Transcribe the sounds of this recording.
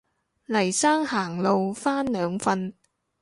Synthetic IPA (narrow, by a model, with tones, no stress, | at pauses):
lɐ˨˩jsaː˥ŋhaː˨˩ŋlo˨wfaː˥nlœː˨˧ŋfɐ˧n